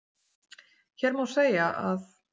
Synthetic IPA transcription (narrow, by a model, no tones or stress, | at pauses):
çɛɾmawseːjaʔað